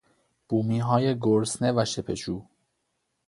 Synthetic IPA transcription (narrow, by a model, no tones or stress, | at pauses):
b̥uːmiːɦɒːjeɡoɾsnevæʃepʰeʃuː